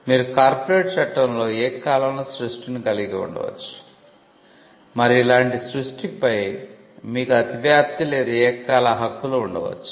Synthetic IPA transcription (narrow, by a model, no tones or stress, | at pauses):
miːɾukaːɾpoɾe̞ːʈt͡ʃɐʈːɐnlo̞ːɛːkaːlɐmloːsɾusʈinikɐliɡiṵɳɖɐ̰ʋɐ̰t͡ʃːu̥ | mɐɾiilaːɳʈisɾuʂʈipɐj | miːkuɐt̪ibjaːp̚t̪ile̞ːd̪uɛːkaːlɐɦɐkːuluuɳɖɐ̰ʋɐ̰t͡ʃːu̥